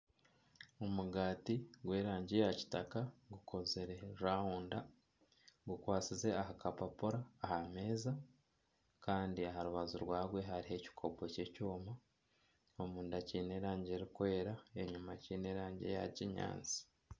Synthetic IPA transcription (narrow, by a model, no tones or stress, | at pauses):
omuɡaːtiɡwe̞ːɾaːɲɟejaci̥takaɡukʰo̞zeɾe̞aːhuːnda | ɡukwaːt͡size̞ahakapapoɾaːhame̞ːza | kaːndiaɦaɾuβazuɾwaːɡwe̞ɦaɾiɦe̞ci̥kʰo̞boce̞cuːma | omuːndaciːne̞ːɾaːɲɟe̞ɾikwe̞ːɾaeɲumacine̞ːɾaːɲɟḛja̰ɟiɲa̰ːnzi̥